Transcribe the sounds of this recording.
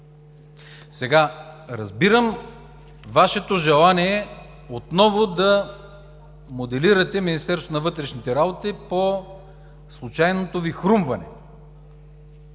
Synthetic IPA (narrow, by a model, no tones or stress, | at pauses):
sɛɡaɾɐzbiɾəm | vaʃɛt̪oʒɛlˠaniɛ | ot̪nɔvod̪ɐ | mod̪ɛliɾɐt̪ɛminist̪ɛɾsonɐvɤt̪ɾɛʃnit̪ɛɾabot̪ipo | slˠut͡ʃajnot̪ovixɾumvɐnɛ̰